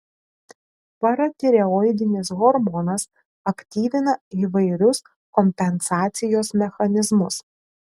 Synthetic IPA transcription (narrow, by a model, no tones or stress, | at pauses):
pɐɾɐt̪ʲɪɾʲɛɔɪd̪ʲɪnʲɪs̬ɣɔɾmɔːnɐs | ɐkt̪ʲiːʋʲɪnɐiːʋɐɪɾʲʊs | kɔmʲpʲɛnsɑːt̪sʲɪjoːsmʲɛxɐnʲɪzmʊs